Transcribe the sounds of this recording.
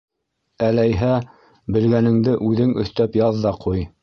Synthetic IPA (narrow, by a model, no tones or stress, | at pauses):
ælæjɦæ | bɘ̆lɡænɘ̆ŋd̪ɘʔʉðɘŋɵ̆θt̪æpjɑðːɑqʰuj